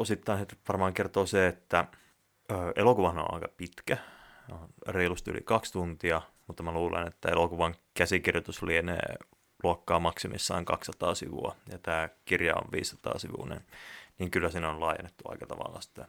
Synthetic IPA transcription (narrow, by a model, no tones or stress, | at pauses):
osit̪ːɑinsit̪ʋɑrmɑːŋkert̪oːseet̪ːæ | øːʔelokuʋɑhno̰nɑ̰ikɑpit̪kæ | onreilust̪y̰lḭkɑkst̪unt̪iɑmut̪ːɑmæluːlḛnet̪ːæelokuʋɑŋkæsikirjot̪uslienḛː | luɑkːɑːmɑksemḭsːɑ̰iŋkɑkssɑt̪ɑːsḭʋṵɑjɑt̪æːkirjɑ̰o̰ʋʋḭːssɑ̥t̪ɑ̰ːsiʋṵnḛnniːŋkylːæsinonlɑːjḛnːet̪ːuɑ̰ikɑt̪ɑʋɑ̰lːɑsi̥t̪ːæ